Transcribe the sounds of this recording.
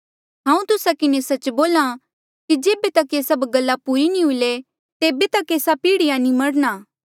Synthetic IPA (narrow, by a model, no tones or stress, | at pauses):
ɦãːũt̪ʊsakɪnesɐt͡ʃboːla | kid͡ʒeːbet̪ɐkeːsɐbɡɐlːapuɾinĩɦʊile | t̪eːbet̪ɐkeːsapiːɽɪjanĩmɐɽnaː